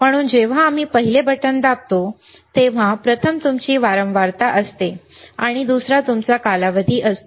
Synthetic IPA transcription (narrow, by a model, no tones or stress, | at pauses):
m̤əɽ̃uːnd͡ʑeʋ̤aːm̤iːpəɦilebəʈənd̪ap̚t̪o | t̪eʋ̤ãpɾət̪ʰəmt̪umt͡ɕiːʋaɾəmʋaɾt̪aʔəst̪e | aɽ̃id̪usɾat̪umt͡sakalaʋəd̪ʱiːʔəst̪o